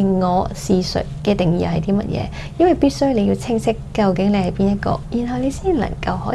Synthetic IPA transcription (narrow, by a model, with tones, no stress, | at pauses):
ŋɔː˨˧siː˨sɵ̰˨t̚kɛː˧t̪ɪ˨ŋjḭː˧˨hɐ˨jt̪iː˥mɐ̰˦˥t̚jʔɛ̰ː˨˧ | jɐ˥nwɐ˨jpiː˥t̚sɵ˥ɥle˨˧ji˧wt͡sʰɪ˥ŋsɪ˥kːɐ˨˧wkɪ˨˥ŋle˨˧jhɐ˨˩jpiː˥njɐ˥t̚kɔ̰ː˧ji˨˩nɦɐ˨wle˨˧jsiː˥˨lɐ̰˨˩ŋkɐ˧whɔː˨˥